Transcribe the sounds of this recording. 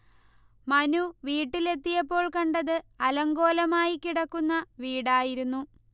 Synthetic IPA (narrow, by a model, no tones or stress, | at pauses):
mɐnuʋiːʈːile̞t̪ːijɐpːo̞ːɭkɐɳɖɐðɨɐlɐŋɡo̞ːlɐmaːjikiɽɐkːunːɐʋiːɽaːjiɾunːu